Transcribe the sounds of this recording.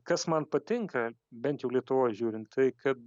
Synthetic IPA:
kɐsmɐnpɐt̪ʲɪŋkɐ | bʲɛnt̪jɛʊlʲiɛt̪ʊʋoːjʒʲuːɾʲɪnt̪t̪ɐɪkɐt̪̚

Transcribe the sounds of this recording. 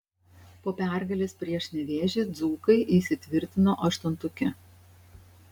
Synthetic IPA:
poːpʲæˑɾɡɐlʲeːspʲɾʲiɛʃnʲɛʋʲeːʒʲeːd̪zuːkɐɪʔiːˑsʲɪt̪ʲʋʲɪɾʲt̪ʲɪnoːʔɐʃt̪ʊnt̪ʊkʲɪ

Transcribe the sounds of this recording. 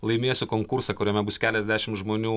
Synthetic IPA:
lˠɐɪmʲiɛsʲʊkoːŋkʊɾsɐkʊɾʲɛmʲɛbʊskʲæːlʲɛzʲd̪ʲæːʃʲɪmʒmoːnʲuː

